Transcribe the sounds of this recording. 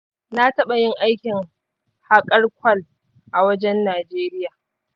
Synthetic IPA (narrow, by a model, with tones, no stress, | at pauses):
na˦tɐ˦ɓa˨jɪ˦ŋʔa˦jkʲɪ˨ŋ | ha˦kʼɐ˦rkʷʰɐ˦l | ʔa˨wɐ˦d͡ʒɛ˦nːaː˨d͡ʒeː˦ɾɪ˦jaː˨